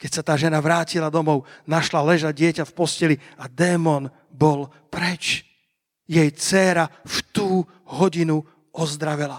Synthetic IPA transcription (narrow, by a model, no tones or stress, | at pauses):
kɛcsat̪aːʒɛnaʋɾaːcilad̪ɔmɔʊnaʃlalɛʒaɟ̚ɟɪɛcafpɔscɛliad̪ɛːmɔn | bɔl | pɾɛt͡ʃ | jɛjt͡sɛːɾaft̪uː | ɦɔɟinu | ɔzd̪ɾaʋɛla